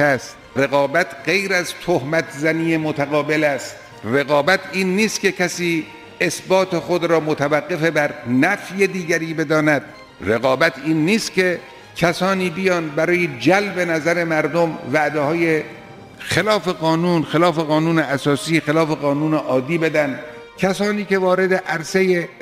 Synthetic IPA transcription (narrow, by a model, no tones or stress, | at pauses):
æst̪ɾe̞ɣɒːbæt̪ʰɢe̞jɾæzt̪ʰohmæt̪ʰzæniːemot̪ʰæɣɒːbelæst̪̚ | reɣɒːbæt̪ʰiːnːiːst̪̚ke̞kʰæsiː | esbɒːt̪ʰe̞xod̪ɾɒːmot̪ʰævæɡːe̞fe̞bæɾnæfjed̪iːɡæɾiːbe̞d̪ɒːnæd̪̥̚ | reɣɒːbæt̪ʰiːnːiːst̪̚kʰe̞ | kʲʰæsɒːniːbijɒːnbæɾɒːjed͡ʒælbe̞næzæɾemæɾd̪omvæʔd̪ehɒːje | xelɒːfeɣɒːnuːnxelɒːfeɣɒːnuːneæsɒːsiːxelɒːfeɣɒːnuːneʔɒːd̪ːiːbe̞d̪ænd̪ | kʲʰæsɒːniːke̞vɒːɾe̞d̪eʔæɾseje